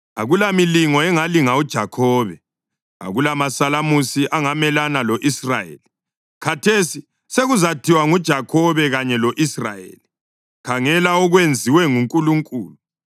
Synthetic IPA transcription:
a̰ɣulamiliŋɔɛŋaliŋaud̥ʒ̥ʱakʰɔːβɛ | a̰ɣulamasalamusiʔaŋamɛlanalɔʔisra̰jḛli | kʰatʰesi | seɣuzatʰiwaŋud̥ʒ̥ʱakʰɔβɛɣaɲɛloʔisra̰jḛːli | kʰaŋɛlaɔɣwend͡zʱiwɛŋuŋkʼuluŋkʼṵːlu

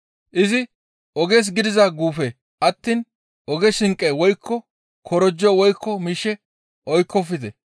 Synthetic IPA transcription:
ʔɪzɪ | ʔɔɡeːs̬ɡɪd̪ɪzɐɡuːfɛ | ʔɐt̪ːiːn | ʔɔɡɛsɪŋkʼːɛwɔjkʰːɔ | kʰɔɾɔd͡ʒːɔwɔjkːɔmiːʃɛ | ʔɔjkːɔfɪd̪ɛ

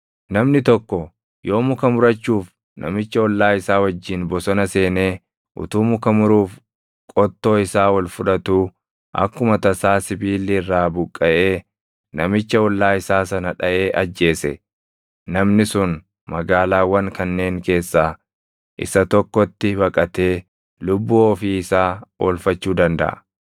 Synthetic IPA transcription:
nɐmnɪt̪ɔkːɔ | jo̞ːmʊkɐmʊɾɐt͡ʃːuːf | nɐ̰mɪt͡ʃːɐɔlːaːɪsaːwɐd͡ʒːɪnbɔsɔnɐse̞ːne̞ː | ʔʊ̰t̪uːmʊkɐmʊɾuːf | kʼɔt̪ːo̞ːɪsaːwɐlfʊᶑɐt̪uː | ʔɐ̰kːʊmɐt̪ɐsaːsɪbiːlːirːaːbʊkʼːɐʔe̞ː | nɐmɪt͡ʃːɐɔlːaːɪsaːsɐnɐᶑɐʔe̞ːʔɐd͡ʒːe̞ːsɛ̰ | nɐmnɪsʊn | mɐɡaːlaːwːɐŋkɐnːe̞ːŋke̞ːsːaː | ʔɪ̰sɐt̪ɔkːɔt̪ːɪbɐkʼɐt̪eː | lʊbːuːoːfiːɪsaːwɔ̰lfɐt͡ʃːuːd̪ɐnd̪ɐ̰ʔɐ̰

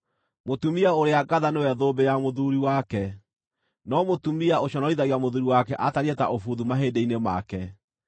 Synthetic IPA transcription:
motumiaoɾeaɡaðanewɛðobejamoðuɾiwakɛ | nɔmotumiaoɕɔnɔiðaɣiamoðuɾiwakɛʔataɾiɛta̰ʔofuðumaɦeːdeinema̰kɛ

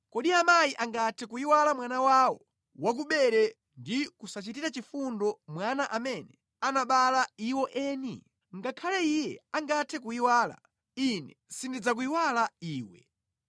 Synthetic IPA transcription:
kɔɗiamajiʔaŋɡatʰɛkuiwalamwanawawɔ | wak̬uɓɛɾɛ | ndikusat͡ʃitiɾat͡ʃifundɔmwanaʔamɛnɛ | anaɓalaiwɔʔɛːnḭ | ŋɡakʰalɛijɛ̰aŋɡatʰɛkuiwaːla̰ | inɛsindid͡zak̬uiwalaiːwɛ̰

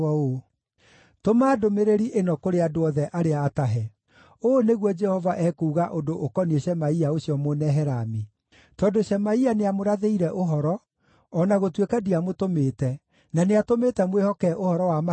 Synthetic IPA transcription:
o | tomaːdomeɾeɾiʔenɔkoɾeadoɔðɛʔaɾeaːtaɦɛ | oneɣwɔd͡ʒɛhɔvaʔɛkuːɣaʔondoʔːkɔnieɕɛmaiaoɕiɔmonɛɦɛɾami | tɔdoɕɛmaianeamoɾaðeiɾɛʔoɦɔɾɔː | naɣotwekadiamotometɛ | naneatomeːtɛmwehɔkɛʔohɔɾɔwama

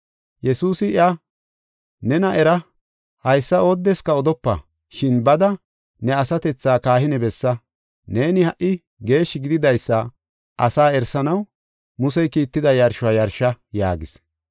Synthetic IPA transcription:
jɛsuːsɪɪɐ | nɛnɐʔɛɾɐ | hɐjsːɐoːd̪ːɛskɐɔd̪ɔpːɐ̰ | ʃɪnbɐd̪ɐ | nɛɐsɐt̪ɛt͡sːaːkaːhɪnɛbɛsːɐ | ne̞ːnɪhɐʔːɪ | ɡe̞ːʃːɪɡɪd̪ɪd̪ɐjsːɐ | ʔɐsaːɛɾsɐnɐw | mʊs̬ɛjkiːt̪ːɪd̪ɐjɐɾʃʊɐjɐɾʃɐja̰ːɡɪs

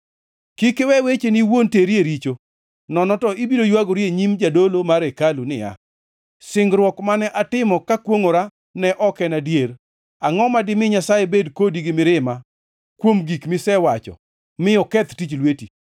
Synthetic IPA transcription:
kikewɛwet͡ʃeniwonteɾjeɾit͡ʃo | nɔnɔtɔibiɾojwaɡoɾieɲimd͡ʒadolomaɾekalunɪja̰ | sɪŋɡɾwɔkmanɛʔatɪmɔkakwoŋoɾa | nɛʔɔkɛnadjeɾ | aŋɔmadɪmɪɲasajebedkodiɡɪmɪɾɪma | kwomɡikmɪsɛwat͡ʃɔ̰ | mɪɔkɛt̪tit͡ʃlweti

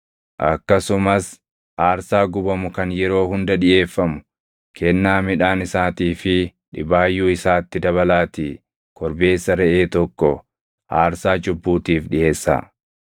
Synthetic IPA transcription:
ʔɐ̰kːɐsʊmɐs | ʔaːɾsaːɡʊbɐmʊkɐnjɛɾo̞ːhʊnd̪ɐᶑɪʔe̞ːfːɐmʊ̥ | kʰɛnːaːmɪᶑaːnɪsaːt̪iːfɪᶑɪbaːjːuːɪsaːt̪ːɪd̪ɐβɐlaːt̪iː | kɔɾbe̞ːsːɐɾɛʔe̞ːt̪ɔkːɔ | haːɾsaːd͡ʒʊbːuːt̪iːfᶑɪʔe̞ːsːa̰ː

